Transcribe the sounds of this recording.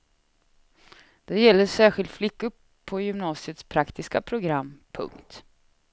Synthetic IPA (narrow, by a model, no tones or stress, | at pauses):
d̪̥ɛjɛlːəʂæːɾɧɪlt̪flɪkːʊ | pʰɔjʏmnɑːsɪət̪spʰɾakt̪ɪskapʰɾʊɡɾamːpʰɵ̰ŋkt̪